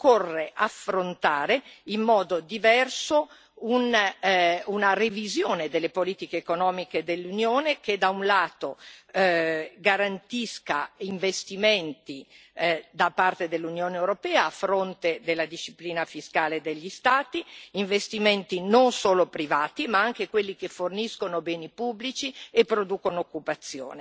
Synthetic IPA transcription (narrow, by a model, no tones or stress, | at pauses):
korːeʔafːɾont̪aːɾeimːɔːd̪od̪ivɛrso | un | unarevizjoːned̪elːepoliːt̪ikeːkonɔːmiked̪elːunjoːneked̪aunlaːt̪o | ɡaɾant̪iskaiɱvest̪iment̪i | d̪apart̪ed̪elːunjoːnewɾopɛːaːfɾont̪ed̪elːad̪iʃːipliːnafiskaːled̪eʎːist̪aːt̪iiɱvest̪iment̪inonsoːlopɾivaːt̪imaaŋk̟ekwelːikeforniskonobɛːnipubːlit͡ʃiepːɾod̪uːkonookːupat̪sːjo̰ːne